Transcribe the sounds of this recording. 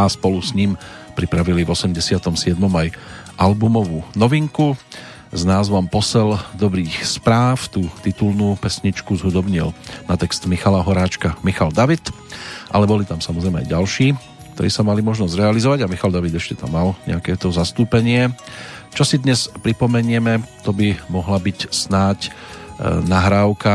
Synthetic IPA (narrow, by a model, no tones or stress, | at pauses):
aspɔlusɲimpɾipɾaʋilivɔsɛmɟɛsɪat̪ɔmsɪɛd̪mɔmajʔalbumɔʋuːnɔʋiŋku | znaːzʋɔmpɔsɛld̪ɔbɾiːxspɾaːft̪uːt̪it̪ulnuːpɛsɲit͡ʃkuzɦud̪ɔbɲilnat̪ɛkst̪mixalaɦɔɾaːt͡ʃkamixald̪aʋit̪ | ʔa̰lɛbɔlit̪amsamɔzɾɛɪmɛa̰jɟalʃiː | kkt̪ɔɾḭːsamalimɔʒnɔzɾɛalizɔʋaɟamixald̪aʋid̪ɛʃcɛt̪amːalɲɛ̰akɛt̪ɔzast̪uːpɛɲɪɛt͡ʃɔsid̪ɲɛspɾipɔmɛɲɪɛmɛt̪ɔbimɔɦlabicsnaːc | naɦɾaːʊka